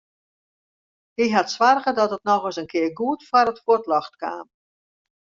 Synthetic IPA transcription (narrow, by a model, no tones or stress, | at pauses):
hiɦatswarɣədɔtət̚nɔɣəsənkʰɪərɡuətfwaɾətfuətlɔxtka̰ːm